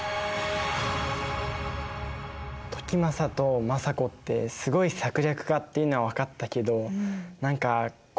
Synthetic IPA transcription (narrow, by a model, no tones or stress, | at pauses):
t̪o̞̥kʲimasat̪o̞masako̞t̪ːe̞̰sɨɡo̞isakɯ̟ɾʲakɯ̟ɡat̪ːeiɯ̟no̞βaβakat̪ːake̞d̪o̞nãŋka | k